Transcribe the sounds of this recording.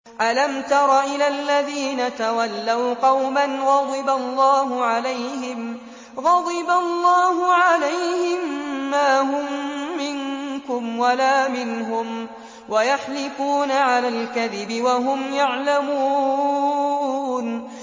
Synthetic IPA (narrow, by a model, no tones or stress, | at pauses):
ʔalamt̪ɑɾˤɑʔɪlalːaðiːnat̪awalːawqɑwmanɣɑd̪ˤɨbalˤːɑːɦʊʕalajhɪm | ɣɑd̪ˤɨbalːɑːhʊʕalajhɪmːaːɦʊmːɪnkʊmwalaːmɪnɦʊm | wajaħlɪfuːnaʕalaːlkaðɪbɪwaɦʊmjaʕlamuː | n